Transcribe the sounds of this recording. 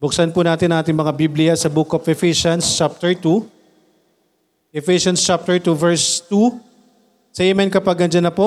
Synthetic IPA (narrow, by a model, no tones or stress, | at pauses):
b̥ʊk̚sɐnpunaːt̪ɪnɐŋʔaːt̪ɪŋmɐŋabiblɪjɐsɐbuːkopɛfiʃɐnst͡ʃap̚t̪ɛɹt̪u | ʔɛfiʃɐnst͡ʃap̚t̪ɛɹt̪uvɛɹst̪u | sɐjɛmɛnkɐpɐɡ̚nɐnd͡ʒɐnɐpo